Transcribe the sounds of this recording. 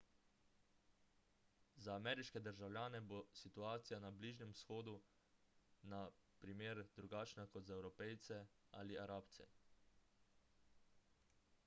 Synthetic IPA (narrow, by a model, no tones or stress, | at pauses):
zaːmɛːɾiʃkɛd̪əɾʒawlʲjaːnɛbosit̪uaːt̪sijanabliːʒnɛmwsxoːd̪u | napɾimeːɾd̪ɾuɡaːt͡ʃnakɔt̪zaɛwɾɔpɛjt̪sɛ | aːliaɾaːpt̪sɛ̰